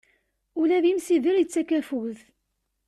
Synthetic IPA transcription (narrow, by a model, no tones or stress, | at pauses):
ulæðimsiðəɾjət͡sːækæfuwθ